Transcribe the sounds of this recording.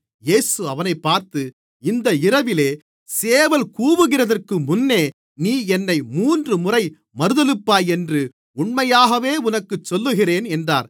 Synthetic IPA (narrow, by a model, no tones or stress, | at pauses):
jeːsɯɐʋɐnɐɪpːaːɾt̪ɯ | ɪnd̪ɐɪrɐʋɪleː | seːʋɐlkuːʋɯɣɪrɐðɐrkɯmʊnːeː | niːɛnːɐɪmuːndrɯmʊrɐɪ | mɐɾɯðɐlɯpːaːjɛndrɯ | ʊɳmɐjaːɣɐʋeːʊnɐkːɯt͡ʃːɔlːɯɣɪreːnɛndra̰ːɾ